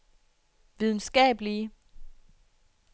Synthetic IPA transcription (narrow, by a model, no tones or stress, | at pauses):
ʋiðˠn̩sɡ̥ɛ̰ːb̥li